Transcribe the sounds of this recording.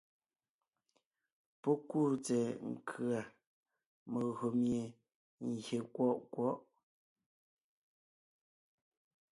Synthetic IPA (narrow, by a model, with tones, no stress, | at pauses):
pɔ˦ku˦˨t͡sɛ˨ŋ̩˨kʰɰa˨ | mə˨ɣo˨mje˨ | ŋ˨ɡje˨kwɔ˦˨ʔkwɔ˦ʔ